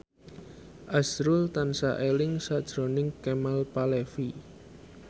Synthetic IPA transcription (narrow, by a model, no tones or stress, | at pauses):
ʔasɾult̪ansaʔelɪŋsad̥ʒ̥ɾo̤nɪŋkɛmalpalefi